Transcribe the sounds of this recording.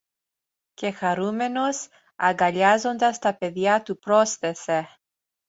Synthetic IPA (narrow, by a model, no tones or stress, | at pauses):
ce̞xɐɾume̞nos | ɐŋɡɐʎɐzo̞nd̪ɐst̪ɐpe̞ðjɐt̪upɾosθe̞se